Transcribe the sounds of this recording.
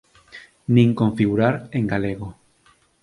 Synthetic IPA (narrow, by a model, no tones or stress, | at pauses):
nĩŋkõɱfiɣuɾaɾẽŋɡaleɣo